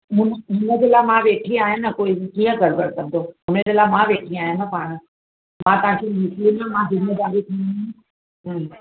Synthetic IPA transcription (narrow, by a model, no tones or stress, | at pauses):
ɦʊnɦʊnəd͡ʑelaːmãʋeːʈʰiaːɦɪnəkoːɪkiːə̃kɐɽkɐɽkɐ̃nd̪ʰoɦʊnəd͡ʑeːlaːmãʋeːʈʰĩaːɦɪnəpaːɽ̃ə̆ | mãːt̪ɐɦãkʰenislinəmãzɪmeːd̪aːɾit̪ʰĩ | ɦ